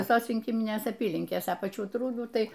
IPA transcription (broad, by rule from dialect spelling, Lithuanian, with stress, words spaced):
ʋʲɪˈsoːs rʲɪŋʲˈkʲɪmʲɪnʲeːs ɐˈpʲiːlʲɪŋʲkʲeːs ɐ pɐˈt͡ʃʲuː ˈtruːduː ˈtɐɪ